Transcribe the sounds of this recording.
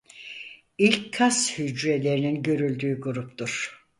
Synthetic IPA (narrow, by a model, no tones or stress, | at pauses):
ilʲckʰːashyd͡ʒɾelʲe̞ɾininɟø̞ɾylʲd̪yːɡuɾupt̪uɾ̥